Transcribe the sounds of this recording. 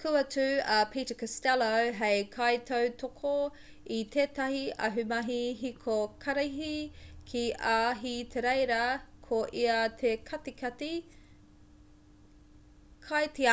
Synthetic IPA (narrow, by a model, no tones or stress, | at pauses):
kʰuɐtʉɐpʰitəkɐstɛlowɦejkʰajt̪ʰɐwtʰokʰo | it̪ʰeːtɐhiɐ̰ɦʉmɐɦiɦikʰokʰɐɾiɦikʰiʔaːɦit̪ʰeɾejɾɐkʰoʔiɐt̪ʰekʰɐtikɐti | kʰajti